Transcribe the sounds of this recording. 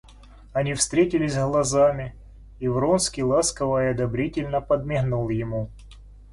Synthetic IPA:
ɐnʲifst̪ɾʲetʲɪlʲɪsʲzɣlˠɐzamʲɪ | ivronskʲilˠaskəvəɐd̪ɐbɾʲitʲɪlʲnəpəd̪̚mʲɪɦnulˠjɪmu

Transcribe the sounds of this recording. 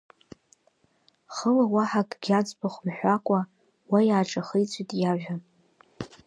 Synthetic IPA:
χəlawaħakʼɡʲat͡sʷʼbaχʷmħʷᶣakʷʼa | wajaːʈ͡ʂʼaχejt͡sʷʼitʼjaʒᶣa

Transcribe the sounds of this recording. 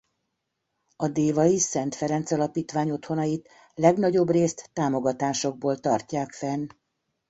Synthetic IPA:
ɒd̪eːvɒjisɛn̪t̪fɛɾɛnt̪sɒlɒpiːt̪ʋaːɲo̞t̪ho̞nɒjit̪ | lɛɡnɒɟo̞breːst̪ːaːmo̞ɡɒt̪aːʃo̞ɡ̚boːlt̪ɒrcaːkfɛn

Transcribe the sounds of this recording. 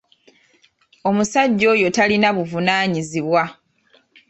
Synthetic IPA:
o̞musaɟːo̞ːjo̞talinaβuvunaːɲiziβwa

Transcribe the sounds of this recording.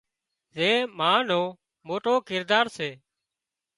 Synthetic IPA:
zeːmaːnoː | moːʈoːkɪɾd̪aːɾseː

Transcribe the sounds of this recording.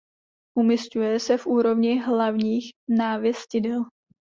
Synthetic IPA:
ʔumɪscujɛsɛfʔuːɾo̞vɲɪɦlavɲiːxnaːvjɛscɪdɛl

